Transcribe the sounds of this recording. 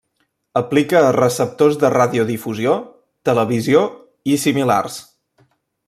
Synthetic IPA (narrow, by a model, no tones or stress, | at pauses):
əplikəːrəsəp̚t̪ozðəraðiuðifuzio | t̪ələβizio | isimila̰rs